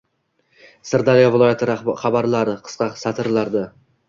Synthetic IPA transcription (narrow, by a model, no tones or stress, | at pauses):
sɨɾd̪alijɒvɪlˠɒjat̪ʰɪɾχɑbaɾlˠaɾɪqʰɨ̥sqɑqsat̪ʰɨɾlˠaɾd̪ɪ